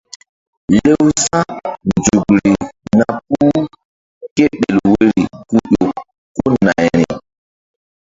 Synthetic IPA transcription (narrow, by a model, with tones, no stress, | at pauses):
le˦wsa˦nnd͡ʒu˨kɾi˨na˨p̚uː˦ | ke˦ɗe˨lwe˦ɾi˨ku˦ɗo˨ | ko˦na˨jɾi˨